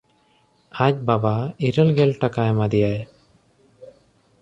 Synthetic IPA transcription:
ac̚babaiɾəlɡɛlʈakaɛmad̪ijaj

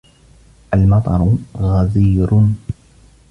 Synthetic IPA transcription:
ʔalmɑt̪ˤɑɾˤʊɣaziːɾʊ

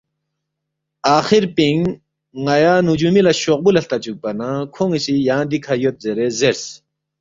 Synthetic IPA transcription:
aχirpiŋ | ŋajanud͡ʑumilaɕoχ̚bulaɬt̪at͡ɕuk̚panakʰoŋisijand̪ikʰajot̪̚zeɾezers

